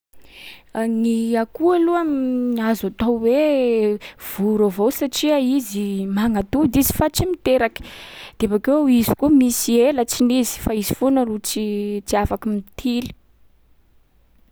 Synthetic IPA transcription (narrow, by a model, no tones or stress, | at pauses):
niakualuamnazat̪owwe | v̥uɾavowsaʈ͡ʂiaizimaŋat̪ud̪izi̥fat͡simit̪eɾaki̥d̪̥eabakeizikumisielət͡sinizi̥faizifonərut͡sit͡siafakimit̪ʰili̥